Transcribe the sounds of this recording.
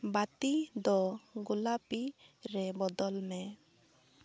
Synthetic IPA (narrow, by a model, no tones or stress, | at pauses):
bat̪id̪ɔɡulapiɾɛbɔd̪ɔlmɛ